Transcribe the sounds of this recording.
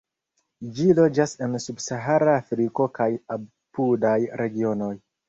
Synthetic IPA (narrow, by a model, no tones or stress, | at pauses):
d͡ʒilo̞d͡ʒase̞nsubsaɦaɾaːfɾiko̞kaja | pudajɾʔe̞ɡio̞no̞j